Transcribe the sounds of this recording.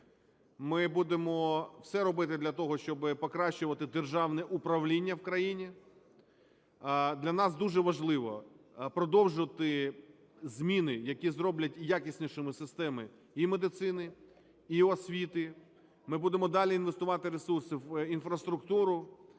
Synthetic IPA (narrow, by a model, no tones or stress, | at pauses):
mɪbud̪emɔwsɛɾɔbɪt̪ɪd̪lʲɐt̪ɔɦɔʃt͡ʃɔbɪpɔkɾɑʃt͡ʃʊʋɐt̪ɪd̪erʒɑwnɛʔupɾɐʋlʲinʲːɐwkɾɐjinʲi | d̪lʲɐnɑsd̪uʒɛʋɐʒlˠɪʋɔ̰ | pɾɔd̪ɔwʒʊʋɐt̪ɪ | zʲmʲinɪjɐkʲizɾɔblʲɐtʲjakʲisʲnʲiʃɔmɪsɪst̪ɛmɪ | imed̪ɪt̪sɪnɪ | iɔsʲʋʲit̪ɪ | mɪbud̪emɔd̪ɑlʲiinʋest̪ʊʋɑt̪ɪɾesursɪwinfɾɐst̪ɾʊkt̪uɾʊ